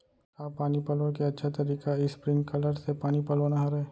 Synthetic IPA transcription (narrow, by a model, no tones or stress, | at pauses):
kaːpaːnipɐlõkeɐtːʃʰat̪ɐɾiːkaispɾɪ̃ŋɡkɐləɾsepaːnipɐlonɐɦaɾɦɛː